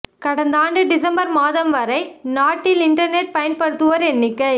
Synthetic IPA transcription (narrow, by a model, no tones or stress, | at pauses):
kɐɽɐnd̪aːɳɖɯɖɪsɐmbɐɾmaːðɐmʋɐɾɐɪnaːʈːɪlɪɳʈɐɾneʈ̚pɐjɐnpɐɽɯt̪ːɯʋɐɾɛnːɪkːɐɪ